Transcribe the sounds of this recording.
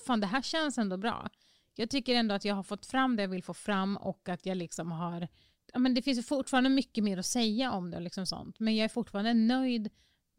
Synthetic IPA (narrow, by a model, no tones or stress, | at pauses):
faːnd̪ɛɦæːɕɛnsɛnd̪ɔbɾɑ̰ː | jɑːɡ̚t̪ʰʏkːəɾɛnd̪ɔat̪jɑːɡɦaɾfɔt̪ːfɾamːd̪ɛjɑːɡvɪlfoːfɾamːɔ̰kːat̪jɑːɡlɪksɔmɦaɾ | jɑːmɛnd̪ɛfɪns̬jfʊʈfɑːɾand̪əmʏkːəmeːɾɔsɛjːaʔɔmd̪ɛ̰lɪksɔmsɔ̰nt̪mɛnjɑːɡæɾfʊʈːfɑːɾand̪ənœjd̪